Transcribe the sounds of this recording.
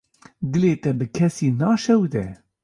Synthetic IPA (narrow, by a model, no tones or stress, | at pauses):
d̪ɨleːt̪ɛbɨkʰɛsiːnɑːʃɛwd̪ɛ